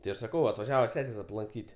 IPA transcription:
tʲɪ ˈɐʃ sɐˈkɐʊ ɐtʋɐˈʒʲæːʋɐ ˈsʲæːsʲeːs ɐplˠɐŋʲˈkʲiːtʲ ɐplˠɐŋʲkʲiːtʲɪ

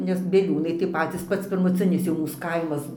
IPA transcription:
nʲɛs bʲiɛˈlʲuːnɐɪ tɐɪ ˈpɑːt͡sʲiːs ˈpɐts pʲɪrmʊˈt͡sʲɪnʲɪs jɛʊ ˈmuːs ˈkɐɪmɐs

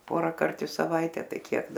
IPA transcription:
ˈpoːrɐkɐrt ɪ sɐˈʋɐɪtʲɛ ˈtɐɪ ˈkʲiɛk

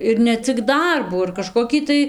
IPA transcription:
ɪr nʲɛ ˈt͡sʲɪk ˈdɐrbuː ɪr kɐʃkoːˈkʲiː tɐɪ

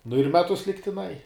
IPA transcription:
nʊ ɪr ˈmʲæːtʊs lʲɪktʲɪˈnɐɪ

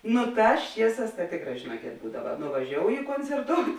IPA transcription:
ˈnʊ ˈtɑːs ˈt͡ʃʲiɛˌsɑːs tɐ ˈtʲeːkˌrɑː ʒʲeːˈnuɔkʲeːt ˈbuːdɐʋɐ nʊʋɐˈʒʲoːʊjɪ koːnʲt͡sʲɛrˈtoːʊtʲ

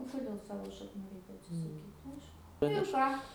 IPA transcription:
oː koːˈdʲeːlˠ ˈsɑːʋoː ʃɐkˈnuː ˈrʲɛɪkʲɛ ɐtʲsʲɪsɐˈkʲiːt ˈɐɪʃkʊ ˈnʊ ɪr ˈkɑː

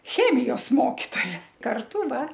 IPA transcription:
ˈxʲæːmʲɪjoːs ˈmoːkʲɪtoːjɛ kɐrˈtʊ ˈdɐr

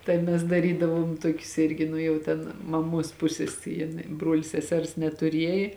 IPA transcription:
tɐɪ ˈmʲɛs dɐˈrʲiːdɐʋuɔm ˈtuɔkʲʊs ˈɪrʲɡʲɪ nʊ jɛʊ ˈtʲɛn mɐˈmuɔs ˈpʊsʲeːs jɪn ˈbruɔlʲ sʲɛˈsʲɛrs nʲɛtʊˈrʲiɛjeː

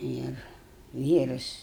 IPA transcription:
ˈɪr ˈʋʲiːrɐs

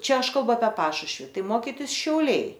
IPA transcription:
ˈt͡ʃʲɛ ˈɐʃ kɐlˠˈbʊ ɐpʲiɛ ˈpɑːʃʊʃʲʋʲɪ ˈtɐɪ ˈmoːkʲɪtʲɪs ʃʲɛʊˈlʲɛɪ

